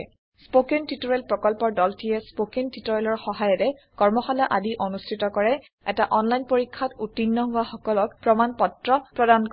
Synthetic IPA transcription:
spokentitɔɹɛlpɹɔkɔlpɔɹdɔltʰijɛspokentitɔɹɛlɔɹxɔɦajɔɹɛ | kɔɹmɔxalaʔadiʔonustʰitɔkɔɹɛ | ɛtaʔɔnlajnpoɹikʰːatutinːɔɦʊaxɔkɔlɔk̚pɹɔmanpɔtɹɔpɹɔdank

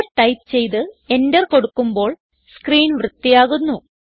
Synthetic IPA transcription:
ʈɐjp̚t͡ɕe̞jt̪ɨe̞ndɐrko̞ɽukːumbo̞ːɭ | skriːnʋrɨt̪ːijaːɣunːu

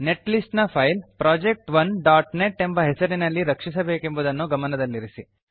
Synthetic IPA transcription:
ne̞ʈlisʈnɐpʰɐjlpɾaːd͡ʒek̚ʈʋɐnɖaːʈne̞ʈːembɐɦesɐɾinɐlːiɾɐkʂis̬ɐbeːke̞mbud̪ɐnːuɡɐmɐnɐd̪ɐlːiɾisi

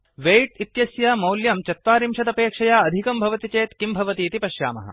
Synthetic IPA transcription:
ʋejʈit̪jɐsjaːmɐwljɐmt͡ʃɐt̪ʋaːɾimʃɐd̪ɐpeːkʂɐjaːɐd̪ʱikɐmbʱɐʋɐt̪it͡ʃeːt̪kimbʱɐʋɐt̪iːt̪ipɐʃja̰ːmɐ̰ɦɐ̰

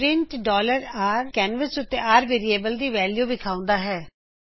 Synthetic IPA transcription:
ɾɪ̃ɳʈɖɔːləɾaːɾkɛːnʋəsʊt̪ːeːaːɾʋeːɾieːbəld̪iːʋɛːljuːbɪkʰaːʊ̃nd̪aːɦɛː

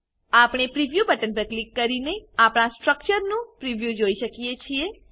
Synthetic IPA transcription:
apɽ̃epɾiʋjubəʈənpəɾklikːəɾineapɳ̃asʈɾək̚t͡ʃəɾnũpɾiʋjud͡ʒoiʃəkijet͡ʃʰie

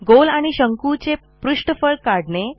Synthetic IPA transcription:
ɡolaɽ̃iɕəŋkut͡se | pɾuʂʈfəɭɽkaɽɳe

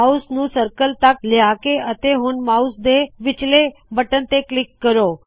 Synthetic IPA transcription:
ausnũsəɾkəlt̪ak̚ljakeʔət̪eɦũnmausd̪eʋɪt͡ʃlebəʈənt̪eklɪkːəɾo

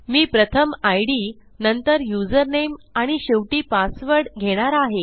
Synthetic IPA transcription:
miːpɾət̪ʰəmajɽiː | nənt̪əɾjud͡zəɾnemaɽ̃iɕeʋʈiːpasʋəɾɽɡʱeɽ̃aɾaɦe

